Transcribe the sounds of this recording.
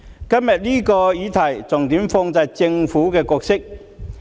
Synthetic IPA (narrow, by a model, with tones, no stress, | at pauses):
kɐ˥mjɐ˨t̚liː˥kɔː˧jiː˨˧t̪ʰɐ˨˩jt͡sʊ˨˩ŋt̪iː˨˥mfɔː˧ŋt͡sɐ˧j̚t͡sɪ˧ŋfuː˨˥kɛː˧kɔː˧k̚sɪ˥k̚